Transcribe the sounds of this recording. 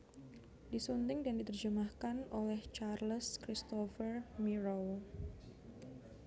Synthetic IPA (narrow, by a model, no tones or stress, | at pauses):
disunt̪ɪŋdandit̪ərd͡ʒəmahkanolɛht͡ʃarləskɾist̪ofərmiɾow